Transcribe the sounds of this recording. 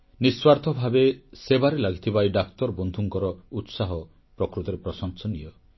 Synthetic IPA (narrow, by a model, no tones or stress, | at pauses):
niswaɾt̪ʰɔbʱabesebaɾelaɡʱit̪ʰibajɖakt̪ɔɾbɔnd̪ʱuŋkɔɾɔut̪saɦɔ | pɾɔkɾut̪ɔɾepɾɔsɔŋsɔnijɔ